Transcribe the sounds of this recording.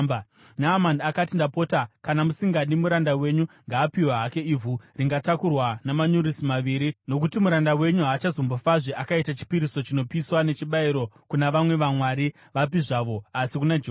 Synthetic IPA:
naːmanakatindapo̞ːtakanamusiŋɡaɗimuɾandawe̞ɲuŋɡaːpiwaɦake̞ivuriŋɡatakurwanamaɲuɾisimaʋiːɾino̞k̬utimuɾandawe̞ɲuɦaːt͡ʃazo̞mbo̞faʐeʔakaitat͡ʃi̥piɾiso̞t͡ʃino̞piswane̞t͡ʃiɓaiɾo̞ | kunaʋamwe̞ʋamwaɾi | ʋapiʐaʋo̞asikunad͡ʒo

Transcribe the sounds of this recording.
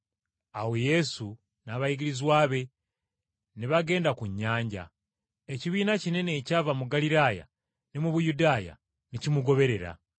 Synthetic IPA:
aweje̞su | naβajiɡiɾizwaːβe̞ | niβaɡe̞ːndakuɲːaːɲɟa̰ | eciβiːnacine̞ne̞ːcaːvamuɡaliɾaːja̰ | nimuβujudaːja̰ | nicimuɡo̞βe̞ɾe̞ɾa̰

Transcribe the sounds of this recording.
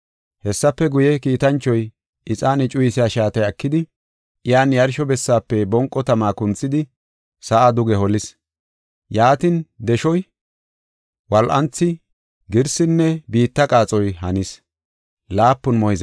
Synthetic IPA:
hɛsːɐpːɛɡʊjɛkiːt̪ɐnt͡ʃːɔj | ʔɪt͡sʼaːnɪt͡ʃʼʊjɪsɪjaːʃaːt̪ɐjɐkːɪd̪ɪ | ʔɪjaːnjɐɾʃɔbɛsːaːpːɛbɔŋkʼːɔt̪ɐmaːkʊnt͡sːɪd̪ɪ | sɐʔad̪ʊɡɛhɔlɪs | jaːt̪ɪnd̪ɛʃɔj | wɐlʔɐnt͡sːɪ | ɡɪɾsɪnːɛbiːt̪ːɐkʼaːt͡sʼɔjɦɐnɪs | laːpːʊnmɔjɪzɐ

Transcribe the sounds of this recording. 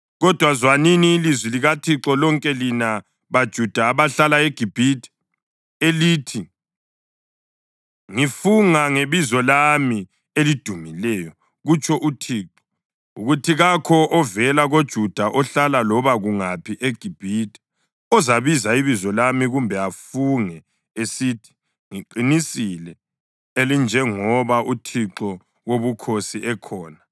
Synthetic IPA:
ɣɔd̥ʱwazwaniniːlizwiliɣatʰiǁɔlɔŋkʼɛlina | βad̥ʒ̥ʱud̥ʱaːβaɬalaeɡ̥ʱib̥ʱitʼ | eliːtʰi | ŋifuŋaŋeβizɔlami | elid̥ʱumilɛjɔ | ɣut͡ʃʼʰɔʔutʰiːǁɔ | uɣutʰiɣakʰɔʔɔvɛlaɣod̥ʒ̥ʱud̥ʱaʔɔɬalalɔβaɣuŋapʰiʔeɡ̥ʱib̥ʱitʰʼi̥ | ɔzaβizaiβizɔlamiɣumbʱɛafuŋɛ | esitʰi̥ | ŋiǃinisilɛ | elind͡ʒʱɛŋɔβaʔutʰiǁɔ | woβukʰosiʔɛkʰɔːna

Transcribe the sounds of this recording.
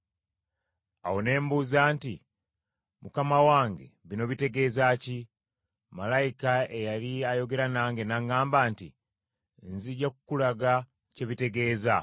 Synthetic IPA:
a̰wo̞ne̞ːmbuːzaːnti | mukamawaːŋɡe̞̰βino̞βite̞ɡe̞ːzaːci | malaikae̞jaliajo̞ɡe̞ɾanaːŋɡe̞naŋɡaːmbaːnti | nziɟakukulaɡa | ce̞βite̞ɡe̞ːza

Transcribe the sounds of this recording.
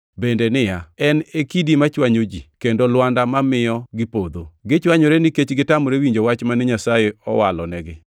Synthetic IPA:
bendenɪjaɛnekidimat͡ʃwaɲod͡ʒikendolwandamamɪjɔɡɪpod̪oɡɪt͡ʃwaɲoɾenɪket͡ʃɡɪtamoɾewiɲd͡ʒowat͡ʃmanɪɲasajeɔwalɔnɛɡɪ

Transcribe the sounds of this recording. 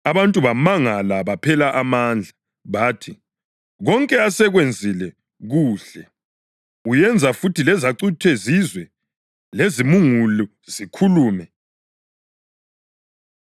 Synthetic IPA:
aβantʼuβamaŋalaβapʰɛlaʔamand͡ɮʱa | βaːtʰi | ɣɔŋkʼɛasɛɣwend͡zʱilɛ | ɣuːɬɛ | ujɛnd͡zʱafutʰilɛzaǀitʰwɛzizwɛ | lezimuŋulu | zikʰuluːmɛ

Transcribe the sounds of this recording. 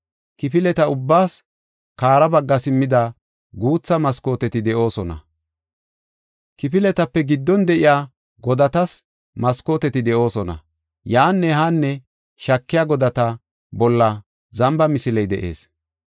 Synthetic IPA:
kɪpɪlɛt̪ɐʊbːaːs | kaːɾɐbɐɡːɐsɪmːɪd̪ɐ | ɡuːt͡sːɐmɐsko̞ːt̪ɛt̪ɪd̪ɛʔo̞ːsɔnɐ̰ | kɪpɪlɛt̪ɐpːɛɡɪd̪ːɔnd̪ɛʔɪjaː | ɡɔd̪ɐt̪ɐs | mɐskoːt̪ɛt̪ɪd̪ɛʔo̞ːsɔnɐ̰ | jaːnːɛɦanːɛ | ʃɐkːɪjaɡɔd̪ɐt̪ɐ | bɔlːɐ | zɐmbɐmɪsɪlɛjd̪ɛʔe̞̰ːs

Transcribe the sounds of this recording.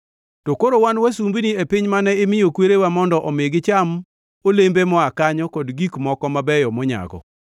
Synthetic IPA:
tokoɾowanwasumbiniepɪɲmanɛɪmɪjokweɾewamɔndɔʔɔmeɡɪt͡ʃam | olembemɔakaɲɔkɔdɡikmɔkɔmabɛjɔmɔɲa̰ɡɔ̰

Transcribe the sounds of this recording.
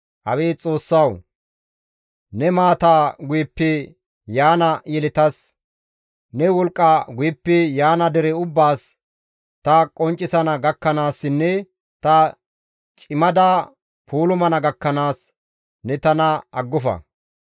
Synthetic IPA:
ʔɐweːt͡sʼo̞ːsːɐw | nɛmaːt̪aːɡʊjɛpːɛ | jaːnɐjɛlɪt̪ɐs | nɛwɔlkʼːaɡʊjɛpːɛjaːnɐd̪ɛɾɛʊbːaːs | t̪ɐkʼɔnt͡ʃʼːɪsɐnɐɡɐkːɐnaːsːɪnːɛ | t̪ɐ | t͡ʃʼɪmɐd̪a | puːlʊmɐnɐɡɐkːɐnaːs | nɛt̪ɐnɐɐɡːʊfɐ̰

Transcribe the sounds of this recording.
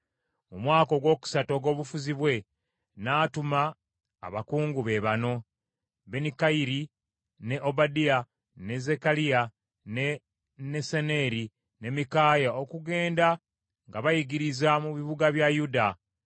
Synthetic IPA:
mumwaːko̞ɡwo̞ːku̥sato̞ɡo̞ːβufuziβwe̞ | naːtuma̰ː | βakuːŋɡuβe̞βano̞ | be̞nikaiɾi | neʔo̞badia | ne̞ze̞kalia | ne | ne̞sene̞ɾi | ne̞mikaːjaokuɡe̞ːnda | ŋɡaβajiɡiɾizamuβiβuɡaβjajuda

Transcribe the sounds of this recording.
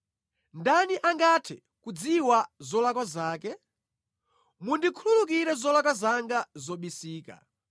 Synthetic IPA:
ndaniʔaŋɡatʰɛ | kud͡ziwazɔlakwazaːkɛ | mundikʰululuk̬iɾɛzɔlakwazaŋɡazɔɓisiːka̰

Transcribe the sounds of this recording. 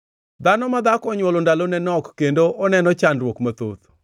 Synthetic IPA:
d̪anɔmad̪akɔɲwɔlɔndalonɛnɔkːendoʔɔnɛnɔt͡ʃanrwɔkmat̪o̰t̪

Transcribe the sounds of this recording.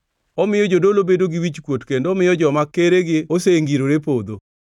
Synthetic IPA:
ɔmɪjɔd͡ʒodolobedoɡɪwit͡ʃkwotkendoːmɪjɔd͡ʒɔmakːeɾeɡɪoseŋɡiɾoɾepod̪o

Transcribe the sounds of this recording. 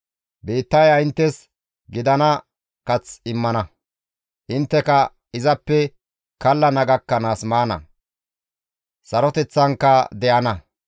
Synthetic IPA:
beːt̪ːɐjɐɪnt̪ːɛs | ɡɪd̪ɐnɐ | kɐt͡sɪmːɐnɐ | ʔɪnt̪ːɛkɐ | ɪzɐpːɛ | kɐlːɐnɐɡɐkːɐnaːsmaːnɐ̰ | sɐɾɔt̪ɛt͡sːɐŋkːɐd̪ɛʔɐnɐ

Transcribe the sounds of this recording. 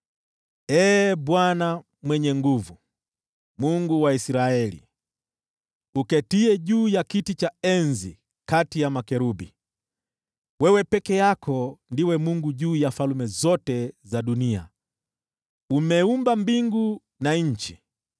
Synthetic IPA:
ɛːɓwana | mwɛɲɛŋɡuvu | muŋɡuwaisɾaɛlḭ | ukɛtiɛʄuːjakitit͡ʃaɛnzi | katijamakɛɾubi | wɛwɛpɛkɛjakʰɔndiwɛmuŋɡuʄuːjafalumɛzɔtɛzaɗunia̰ | umɛumbambiŋɡu | naɲ̩t͡ʃi

